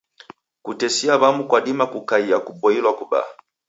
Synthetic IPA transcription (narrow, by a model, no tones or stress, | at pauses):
kutɛsiaβamukwaɗimakukaiakubɔilwakuba̰